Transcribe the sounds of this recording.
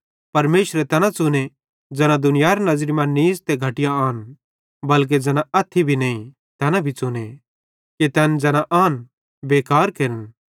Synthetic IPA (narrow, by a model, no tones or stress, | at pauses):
pɐɾmeːʃɾɛt̪ɛnãt͡sʊne | d͡ʒɛnãd̪ʊnɪjaːɾnɐzɾimãniːst̪eɡʱɐʈɪjãaːn | bɐlk̬ed͡ʒɛnãɐt̪ʰːibʱinɐːĩ | t̪ɛːnãbʱit͡sʊne | ket̪ɛːnd͡ʒɛñãʔaːn | beːkaːɾkeːɾən